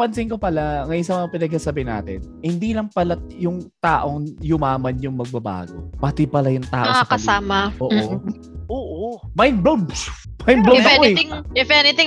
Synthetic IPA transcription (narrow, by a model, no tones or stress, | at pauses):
pɐnsɪŋkopɐlaŋɐjsɐmɐŋapɪnɐɡ̚hasɐbɪhɪnːa̰ːt̪ɪn | hɪnd̪iːlɐŋpɐlajʊŋt̪aːʔo̞ŋjʊmaːmɐnjʊŋmɐɡ̚bɐba̰ːɡo̰pɐt̪ɪpɐlɐjʊŋt̪a̰ːʔɐoŋakɐsaːmɐʔoːʔ | ʔoːʔomajnblomsmajnblosɐkoɛŋɪfɛnɪt̪ɪ